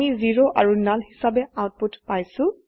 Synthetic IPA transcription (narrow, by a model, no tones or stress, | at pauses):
iziɹoʔaɹunalɦisabɛawt̚putpajsʊ̃